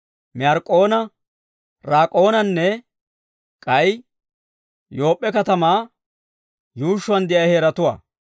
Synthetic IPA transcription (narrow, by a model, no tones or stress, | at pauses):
mɪjaɾkʼːo̞ːnɐ | ɾaːkʼo̞ːnɐnːɛ | kʼɐj | jo̞ːpʼːɛkɐt̪ɐmaː | juːʃːʊwɐnd̪ɪʔɐjheːɾɐt̪ʊwa̰ː